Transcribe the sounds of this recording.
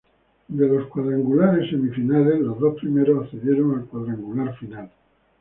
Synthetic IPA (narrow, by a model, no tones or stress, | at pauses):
d̪elo̞skwaðɾaŋɡulaɾesːe̞mifinale̞slozðo̞spɾimeɾosaθeðjeɾoŋalkwaðɾaŋɡulaɾfinal